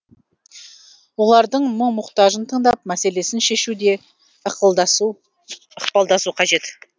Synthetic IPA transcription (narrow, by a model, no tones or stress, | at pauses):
wo̞lˠɑɾd̪əɴmʊɴmʊqt̪ɑʒənt̪ʰəɴd̪ɑp̚mæse̞le̞sɪnʃe̞ʃud̪e̞ | əχqpɑlˠd̪ɑsuqʰɑʒe̞t̪